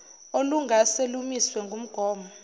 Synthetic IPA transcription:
oluŋɡʱaselumiswɛŋɡʱum̩ɡ̥ʱɔːmɔ

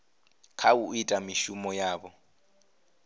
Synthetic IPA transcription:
kʰauitʼamiʃumɔjaːbɔ

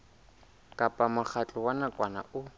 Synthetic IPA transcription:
kʼapʼamʊk͡xʰat͡ɬʼɔwanakʼwana̰ʊ

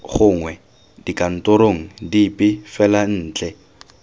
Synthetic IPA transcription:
χʊŋwɛ | dikʼan̩tʊɾoŋ̩dipʼɪfɛlan̩ːt͡ɬʼɛ

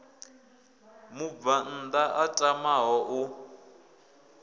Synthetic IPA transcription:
mubvan̩daʔatʼamaɦɔʔu

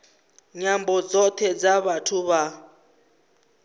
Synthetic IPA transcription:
ɲambɔd͡zɔt̪ʰɛd͡zaβatʰuβa

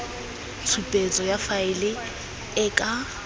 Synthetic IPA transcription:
t͡sʰupʼet͡sʼɔjafaɪlɪ | ɪkʼa

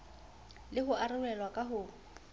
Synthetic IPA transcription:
lɪɦʊarɪlɛlwakʼaɦʊː

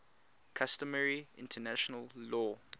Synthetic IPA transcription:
kʰastəməɹiʔɪ̰̃ntʰənaʃɔnəllɔː

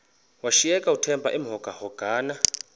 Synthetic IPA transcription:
waʃijɛkʼautʰɛmbʱa̰ʔim̩ɦɔɡ̥ʱahɔɡ̥ʱaːna

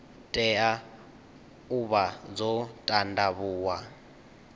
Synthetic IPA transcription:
tʼɛa | uβad͡zɔtʼandaβuːwa

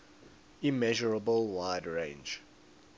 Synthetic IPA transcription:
imɛʒɔɹəbəlwaɪdɹẽɪ̃nd͡ʒ

